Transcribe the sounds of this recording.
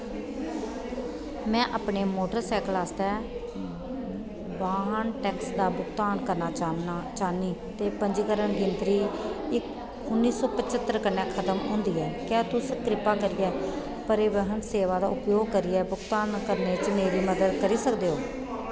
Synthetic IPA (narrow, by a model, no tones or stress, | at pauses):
mɛ̃ːʔaːpɳeːmoːʈəɾsɛːklaːst̪ɛː | baːɦənʈɛːksd̪aːbʊkt̪aːnkəɾnaːt͡ʃaːniːt̪eːpəɲd͡ʒiːkəɾəɳɡɪnt̪ɾiːɪk | ʊnːiːsɔːpət͡ʃət̪ːəɾkənːɛːkʰət̪əmɦõ̰ːnd̪iːɛːkjaːt̪ʊsəkɾɪpaːkəɾiːɛː | pəɾeːʋəɦənseːʋaːd̪aːʊpjoːɡ̚kəɾiːɛːbʊkt̪aːnkəɾneːt͡ʃmeːɾiːməd̪əd̪kəɾiːsəkd̪eːɦoː